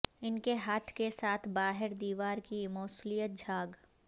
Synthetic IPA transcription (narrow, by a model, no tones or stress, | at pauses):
ɪnkeɦaːt̪ʰkesaːt̪ʰbaːɦɪɾd̪iːʋaːɾkimɔːslijət̪̚d͡ʒʱaːɡ